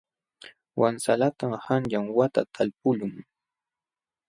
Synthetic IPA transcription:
wʔansalat̪amhanʎaŋwat̪at̪ʰalpʊʎʊŋ

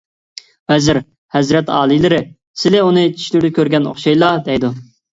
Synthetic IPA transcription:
vɛzɪɾ | hɛzɾɛt̪ɑ̰ːlˠilɪɾɪ | sɪlɪunɨt͡ʃʰi̥ʃlɪɾd̪ɪkʲøɾɡʲɛno̰χʃɑjlˠɑd̪ɛjd̪u

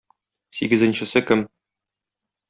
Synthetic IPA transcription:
siɡɘ̆zɘ̆nɕɘ̆sɘkɘm

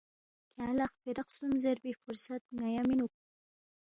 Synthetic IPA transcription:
kʰalaχfeɾəqsumzeɾbifʊɾsat̪̚ŋajɑminuk̚

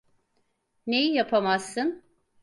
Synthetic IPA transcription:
nejijapʰamaz̥ːɯn

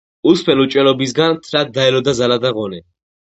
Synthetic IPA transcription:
uspʰɛlut͡ʃʼwɛlɔbis̬ɡant̪ʰɾat̪̚d̪aɛlɔd̪azalad̪aʁɔnɛ

